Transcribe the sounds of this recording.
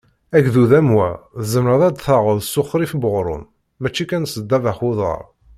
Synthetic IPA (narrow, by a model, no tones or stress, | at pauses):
æɡðuðæmwæ̰ðəzəmɾəðˤæd̪θɑʁəðsːʊχɾifbəʁɾˤʊ̰m | mæt͡ʃːikænsəd̪ːævæχʊðˤə̰ɾˤ